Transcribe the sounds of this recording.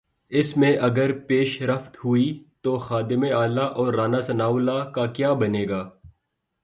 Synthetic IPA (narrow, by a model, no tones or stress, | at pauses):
ɪsmẽʔɐɡəɾpeːʃɾəft̪ɦʊit̪oxaːd̪ɪmẽaːlaʔɔːɾːaːnasɐnaːwlakakjaːbɐneːɡaː